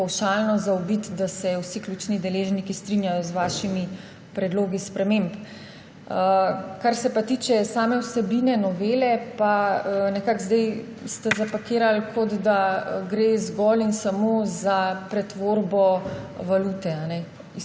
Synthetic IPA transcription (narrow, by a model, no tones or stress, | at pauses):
pawʃalnɔzaobit̪d̪asɛwsiklʲut͡ʃnid̪ɛleːʒnikist̪ɾinjajɔzʋaːʃimi | pɾɛd̪loːɡispɾɛmemp | əkaɾsɛpat̪iːt͡ʃɛsaːmɛwsɛbinɛnɔʋeːlɛpaənɛkakzd̪aj | st̪ɛzapakiːɾalkʰɔd̪d̪aɡɾezɡɔlinsamoːzapɾɛt̪ʋoːɾbɔʋalut̪ɛanɛ